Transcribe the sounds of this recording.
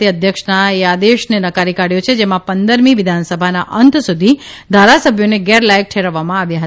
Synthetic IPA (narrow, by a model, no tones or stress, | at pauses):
iəd̪ʱjəkʂnaead̪eʃnenəkaɾikaɽjot͡ʃʰed͡ʒemãpənd̪əɾmiʋɪd̪ʱansəbʱana̰ʔənt̪sud̪ʱi | d̪ʱaɾasəbʱjoneɡɛɾlajək̚ʈʰeɾəʋːamãaʋjaɦə